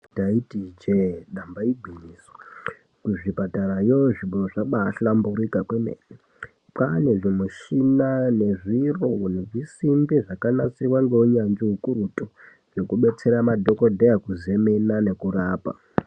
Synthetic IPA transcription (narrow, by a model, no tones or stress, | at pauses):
taitid͡ʒeɗambaibʱiɲiːswa | kuʐipataɾajoʐiɓoʐaɓaːɬambuɾikakwemḛ | pane̞ʐimuʃinane̞ʐirouneʐisimbiʐakanat͡sirwaŋɡeuɲand͡ʒiɦukuɾutʼo | ʐe̞kuɓe̞t͡se̞ɾamadʱo̞kodʱejakuze̞menane̞kuraːpa̰